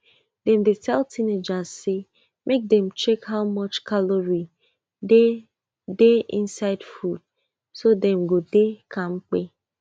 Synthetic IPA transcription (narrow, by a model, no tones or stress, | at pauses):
dɛ̃mdetʰɛltʰined͡ʒazse | mʔek̚dɛ̃mt͡ʃekhaʊmɔt͡ʃkaloɹi | de | deḭ̃nsaɪdfud̥̚ | sodɛm̩ɡodekʰãŋ͡m̩k͡pe